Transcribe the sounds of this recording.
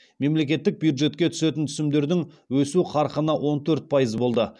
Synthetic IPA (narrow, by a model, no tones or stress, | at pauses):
me̞mle̞kʲe̞t̪ːɪk̚bjud̪ʒe̞t̪̚kʲe̞t̪ʰʏ̥se̞t̪ɪnt̪ʰʏ̥sɪmd̪e̞ɾd̪ɪŋ | wɵsuqʰɑɾqənɑwʔo̞nt̪ʰɵɾt̪̚pʰɑjəzəbo̞lˠd̪ə